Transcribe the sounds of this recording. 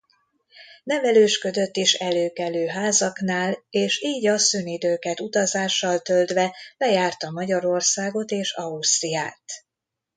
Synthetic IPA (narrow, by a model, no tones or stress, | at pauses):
nɛvɛløːʃkø̞d̪ø̞t̪ːiʃɛløːkɛløːɦaːzɒknaːleːʃiːɟɒsynid̪øːkɛt̪ut̪ɒzaːʃːɒlt̪ø̞ld̪ʋɛbɛjaːrt̪ɒmɒɟɒɾo̞rsaːɡo̞t̪eːʃɒust̪rijaːt̪